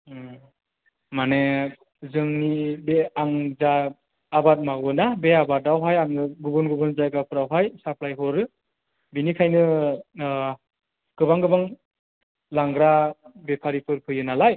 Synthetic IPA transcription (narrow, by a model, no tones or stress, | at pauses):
mane | zɯŋnibeaŋzaː | bat̚mawɯnabeabat̚awɦajaŋɯɡubɯnɡɯbɯnzajɡapʰɯɾawɦajsapʰlajɦɔɾɯ | binikʰajnɯ | ɡ̥ɯbaŋɡɯbaŋ | laŋɡɾabepʰaɾipʰɯɾpʰɯjɯnalaj